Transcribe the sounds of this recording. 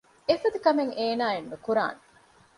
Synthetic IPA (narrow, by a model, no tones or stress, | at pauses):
efɐd̪ukɐmeŋeːnaːenːukuɾa̰ːne